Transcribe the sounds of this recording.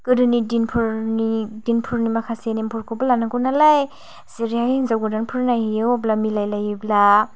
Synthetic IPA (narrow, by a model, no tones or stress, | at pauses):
kɯdɯnidinpʰuɾnidinpʰuɾnimakʰasenempʰuɾkʰɔbɯlanakunalaj | siɾiahinzawɡɯdanpʰɯɾnajhijɯwblamilajlajibla